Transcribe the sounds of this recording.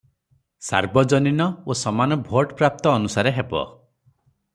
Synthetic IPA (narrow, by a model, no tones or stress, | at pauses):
sa̰ɾbɔd͡ʒɔninɔosɔmanɔbʱoʈpɾap̚t̪ɔːnusaɾeɦebɔ̰